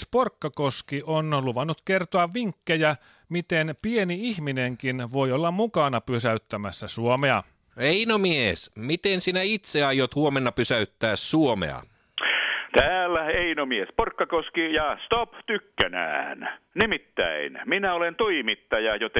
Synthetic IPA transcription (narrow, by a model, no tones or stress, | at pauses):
sporkːɑkoskiʔonluʋɑnːut̪kert̪oɑʋʋiŋkːejæ | mit̪enpieniiçmineŋkinʋojolːɑmmukɑnɑpysæyt̪ːæmæsːæsuomeɑ̰ | einomiesmit̪ensinæit̪seɑjot̪huomenːɑpysæyt̪ːæːssuomḛɑ̰ | t̪æːlːæeinomiesporkːɑkoskijɑst̪opt̪ykːænæ̰ːnnimit̪ːæ̰inminæolent̪uimit̪ːɑjɑjot̪e